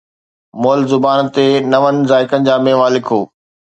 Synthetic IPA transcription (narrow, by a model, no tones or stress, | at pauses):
moːlzʊbaːnt̪enɐʋənɪ̆zaːɪkənɪ̆d͡ʑaːmẽːʋaːlɪkɦoː